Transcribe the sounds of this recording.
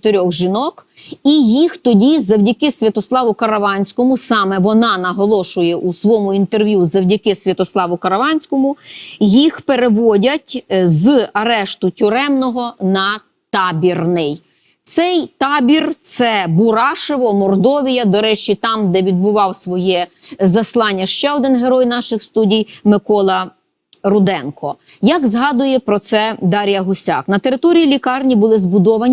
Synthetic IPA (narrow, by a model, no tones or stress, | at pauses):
t̪eɾʲɔɣʒinɔkijixt̪ɔdʲizɐwdʲɐkɪsʲʋʲɐt̪ɔslˠɑʋʊkɐɾɐʋɑnʲsʲkɔmʊsɑmɛʋɔnɑnɐɦɔlˠɔʃʊjɛʔusʋɔmʊint̪erʋʲjuzɐwdʲɐkɪsʲʋʲɐt̪ɔslˠɑʋʊkɐɾɐʋɑnʲsʲkɔmʊjixpeɾeʋɔdʲɐtʲzɐɾɛʃt̪ʊtʲʊɾɛmnɔɦɔnɐ | t̪ɑbʲirnɪj | t̪sɛjt̪ɑbʲirt̪sɛbʊɾɑʃeʋɔmɔrd̪ɔʋʲijɐd̪ɔɾɛt͡ʃit̪ɑmd̪ɛʋʲid̪̚bʊʋɑwsʋɔjɛzɐslˠɑnʲːɐʃt͡ʃɛɔd̪ɪnɦeɾɔjnɑʃɪxst̪udʲijmɪkɔlˠɐ | ɾʊd̪ɛnkɔjɑkzɦɑd̪ʊjɛpɾɔt̪sɛd̪ɑɾʲijɐɦʊsʲɑ̰knɐt̪e̞ɾɪt̪ɔɾʲijilʲikɑrnʲibʊlˠɪzbʊd̪ɔʋɐnʲ